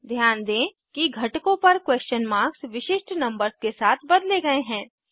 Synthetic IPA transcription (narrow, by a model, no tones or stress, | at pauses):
d̪ʱjaːnd̪ẽː | kiɡʱɐʈkõpɐɾkwɛːst͡ʃənmaːɾksʋɪʃɪʃʈnɐ̃mbəɾskesaːt̪ʰbɐd̪leɡɐeɦɛ̃ː